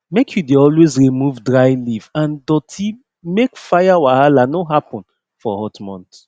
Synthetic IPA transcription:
mekʰjudeɔlwezɹimuvdɹaɪlivãndɔtʰi | mekfajawahalanoɦapɔ̃n | fɔhɔtmɔ̰̃nt

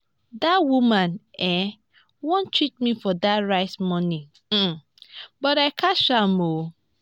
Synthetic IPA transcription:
dawumãnɛ | wõntʰɹit̚mifɔdaɹaɪtmɔnĩ | bɔɾaɪkʰaʃamo

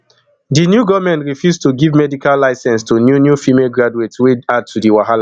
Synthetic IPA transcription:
dinjuɡɔvmɛ̃ntɹifjustuɡivmɛdikalːaɪsɛ̃nstunjunjufimeɡɹaduetswead̚tʰudiwaɦala

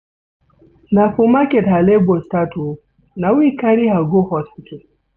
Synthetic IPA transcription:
nafumaketɦalebostato | nawikaɾiɦaɡohɔspital

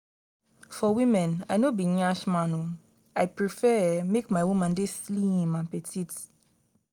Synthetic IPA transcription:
fɔwĩmɛ̃najnobiɲaʃmãno | ajpɹifɛmekmawumãndesliĩmãpɛtʰit

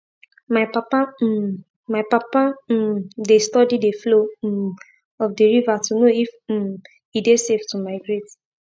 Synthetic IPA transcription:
maɪpapa | maɪpapadestɔdideflo | ɔfdeɹivatunoif̩ | ideseftumaɪɡɹet

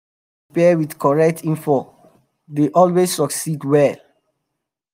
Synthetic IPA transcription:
pɛwidkʰɔɹɛk̚tʰĩnfɔ | deʔɔlwessɔksidwɛl

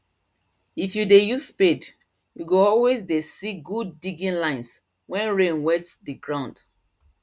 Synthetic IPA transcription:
ifjudejusped | juɡoɔlwezdesiɡud̚ːiɡĩnlãɪ̃ns | wɛ̃nɹẽnwɛtsdiɡɹãʊ̃nd̥

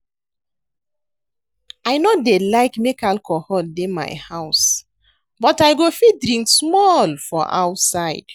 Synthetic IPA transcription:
aɪnodelaɪkmekalkʰɔhɔldema̰ɪhaʊs | bɔtaɪɡofidɹĩŋksmɔlfɔʔa̰ʊtsaɪd̥

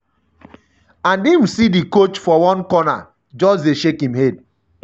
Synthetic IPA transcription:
ãndim̩sidikot͡ʃfɔwɔ̃nkɔna̰ | d͡ʒɔdeʃekĩmhed̚

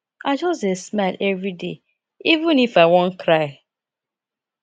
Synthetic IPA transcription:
aɪd͡ʒɔstesmaɪlʔɛvɹide | ivũnifaɪwɔ̃nkɹaɪ

